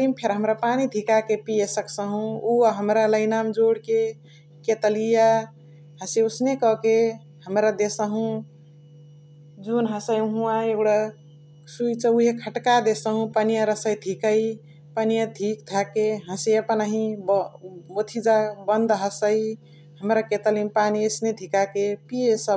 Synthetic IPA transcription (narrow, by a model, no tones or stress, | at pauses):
ɾimpʰeɾɦəmɾapanid̪ʱikakepijesəksəɦũuaɦəmɾaləɪnamd͡ʒoɽke | ket̪əlija | ɦə̃seosnekɔke | həmɾad̪esəɦũ | d͡ʒunɦəsəjɦũaeɡɽa | sujt͡ʃʰəuɦekʰəʈkad̪esəɦũpənijaɾəsəjd̪ʱikəj | pənijad̪ʱikd̪ʱakeɦə̃sejəpənaɦĩbmot̪ʰid͡ʒabənd̪ɦəsəj | ɦəmɾaket̪əlimpaniesned̪ʱikakepijesə